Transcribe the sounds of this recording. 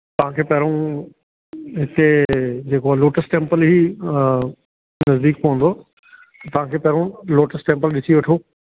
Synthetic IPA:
t̪ɐʋ̤ãkʰeːpɐɦɾõ | ɦɪt̪ed͡ʑeːkoaloːʈəsʈẽːmpəlɦiː | nɐzd̪iːk̚poɦə̃nd̪oː | t̪ɐʋ̤ãkʰeːpɛɦɾõloːʈəsʈẽːmpəlɗɪsiʋɐʈʰoː

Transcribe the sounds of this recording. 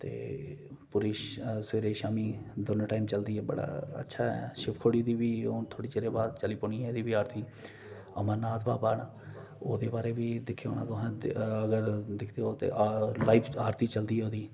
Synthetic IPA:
t̪ḛːpʊɾiʃseːɾeːʃaːmiːd̪ʊnʈaːimt͡ʃəld̪iːɛːbə̰ɽa̰ːə̰tːʃʰaːɛ̰ʃɪpkʰoːɽiːd̪iːbiːont̪ʰoːɽiːt͡ʃeːɾeːbaːd̪t͡ʃəliːpoːɳiːɛːd̪iːʋiːaːɾt̪ʰiː | əmãːnaːt̪ʰbaːpaːɽaː | o̰ːd̪eːbaːɾeːbiːd̪ɪkʰːeoːnã̰ːt̪ʊɦãːəɡəɾd̪ɪkʰd̪eːot̪ḛːʔlaːiːpaːɾt̪iːt͡ʃəld̪iːoːd̪iː

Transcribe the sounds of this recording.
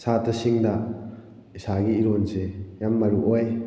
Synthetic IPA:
satɐsiŋda | isaɡiːɾonsejamːɐɾuʔoj

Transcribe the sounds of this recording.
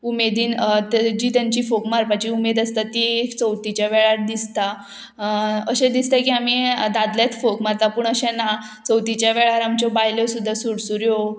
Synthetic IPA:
umed̪iːnt̪d͡ʑit̪aɲt͡ɕiːfokmaɾpat͡ɕiumed̪əst̪at̪ikt͡səwt̪it͡ɕjaʋɛɭaɾ̚d̪ist̪a | əɕɛ̃d̪ist̪akiːam̤id̪ad̪ljat͡s̪fokmaɾt̪apuːɳəɕɛ̃na | t͡səwt̪it͡ɕjaʋɛɭaɾamt͡ɕɔbajlɔsud̪ʱːasuɽsuɾjo

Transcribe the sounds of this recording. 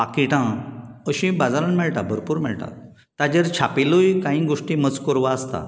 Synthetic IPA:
akiʈãəɕĩbad͡zaɾanmɛɭʈ̪abʱəɾpuːɾmɛɭʈ̪ã̰ | t̪ad͡ʑeɾt͡ɕʰapilujkãĩɡoʂʈĩmət͡skəɾʋaəst̪a̰

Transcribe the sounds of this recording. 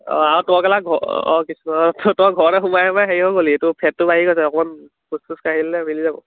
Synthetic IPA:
ɔ̰autɔkɛlaɡʱɔ̰ɔ̰kisuɔttɔɡʱɔɹɔɛxumajɛmajɦeɹibɔkolietupʰɛt̚ːʊbaɦikosɛɔkɔman | kustuskaɦilɛmilizabɔ̰

